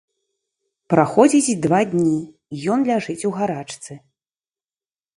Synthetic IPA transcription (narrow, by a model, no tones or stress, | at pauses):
pɾaxɔd͡zʲit͡sʲd̪vad̪ʲnʲi | jɔnlʲaʐɨt͡sʲwɣaɾat͡ʂt̪sɨ